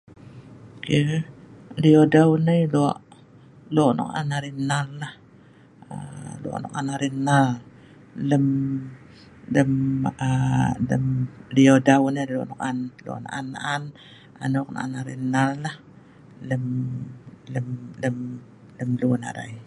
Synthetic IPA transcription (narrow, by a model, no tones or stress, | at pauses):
kə | liodawnəjluaʔ | loʔnɔ̰ka̰naɾinallah | ə̰l̰ʔno̰kanaɾinːal | ləm | ləmələ̰mliodawnəlo̰ʔnɔkanlo̰ʔna̰ʔanːa̰ʔan | a̰nok̚na̰ʔanaɾḭnːallah | ləm | ləmləm | ləmluna̰da̰j